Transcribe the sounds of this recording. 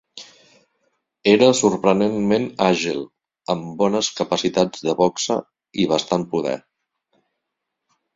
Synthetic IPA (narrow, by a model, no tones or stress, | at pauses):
eɾəsuɾpɾənenmenaʒilˠ | əmbɔnəskəpəsit̪ad͡zðəβɔksə̰ | iβ̞əst̪anpuðɛ̰